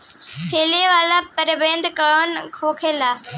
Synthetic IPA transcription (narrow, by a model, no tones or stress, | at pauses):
pʰeːleʋaːlapɐɾbẽːnd̪kɐɭoːnkʰoːkʰeːlaː